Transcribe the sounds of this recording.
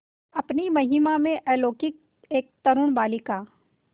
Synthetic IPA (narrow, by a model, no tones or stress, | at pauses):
ɐpnimɐɦɪmamẽʔɛːloːkɪk̚ | eːk̚t̪ɐɾʊɽbaːlikaː